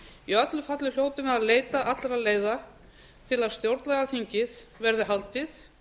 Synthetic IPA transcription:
iœt̪lʏfat̪lɪljoːwt̪ʏmɛðaðleːjt̪aʔat̪lɾaðleːjða | t̪ʰɪlaðst̪jowɾt̪nɛɣaθiɲcɪðvɛɾðɪɦalt̪ɪθ

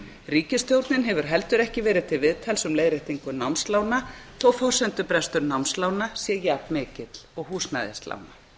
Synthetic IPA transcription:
riːcɪst̪jowɾt̪nɪnɦɛvʏɾ̥ɦɛlt̪ʏɾɛhcɪvɛːɾɪð̥t̪ʰɪlvɪðt̪ʰalsʏmleːjðɾɪht̪iŋkʏnawmslaːwnaθɔwfɔr̥sɛnt̪ʏpɾɛst̪ʏɾnawmnslaːwnasjɛjaːpmɪːcɪt̪l̥ɔɣɦuːsna̰jðɪ̰st̪la̰wna

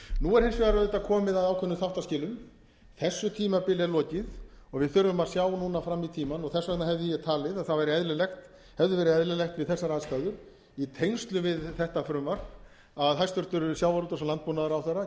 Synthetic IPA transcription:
nuɛɾ̥hensvɪɣaɾaðɛt̪ːakʰɔːmɪðaðaːwkʰɛnːʏθaht̪ascɪːlʏm | θɛsːʏt̪ʰiːmapɪlɛɾlɔːcɪð | ɔɣvɪðθʏɾːʏmḁsjaːwnuːnafɾamːit̪ʰiːmanɔɣθɛsvɛt̪nnaɦɛvðʏjɛt̪ʰaːlɪðaθavajɾɪɛðlʏlɛxt̪ | hɛvðʏvɛːɾɪðɛðlɪlɛxt̪vɪðθɛsːaɾaːsk̪aːðʏɾ̥ | it̪ʰejnst̪lʏvɪðθɛht̪afɾʏmvar̥ | aðɦajst̪ʏɾ̥t̪ʏɾsjawvaɾut̪ɔsɔlant̪̚puːnaðaɾawθɛrːa

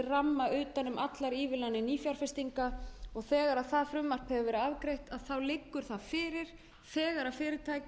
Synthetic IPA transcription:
ɪramːaʏːt̪anʏmat̪laɾiːvɪlanːɪniːfjaɾ̥fɛst̪iŋkaɔɣθɛːɣaɾaðθaðfɾʏmːar̥phɛvʏvɛːɾʏavkɾejht̪aðθawlɪkːʏɾ̥θaðfɪːɾɪɾ̥ | θɛːɣaɾaðfɪːɾɪɾ̥t̪ʰaːjc

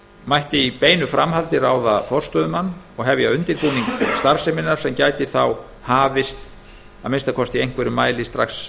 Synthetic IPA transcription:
majht̪ɪipeːjnʏfɾamhalt̪ɪraːwðafɔr̥st̪œðʏmanːɔɣɦɛvjɪaʏnt̪ɪɾpuːniŋkst̪aɾ̥sɛmɪnːaɾ̥sɛmcaːjt̪ɪθaw | haːvɪst̪ | aðmɪnst̪akʰɔst̪iejŋ̥kʰvɛɾʏmaːjlɪst̪ɾaxs

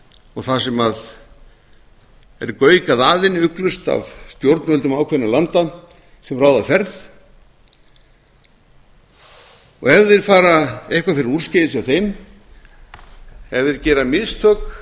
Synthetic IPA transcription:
ɔɣθasɛmað | ɛ̰ɾkœːɥkaðaːðɪnʏklʏst̪a̰vst̪jowɾt̪nvœlt̪ʏmaːwkʰɛnːalant̪a | sɛmraːwðafɛɾð | ɔ̰ɣɛvðɪɾfaːɾaehkvafɪɾɪɾuɾ̥scɪjðɪsjawθejm | ɛvðɪɾcɛːɾamɪðst̪ʰœk

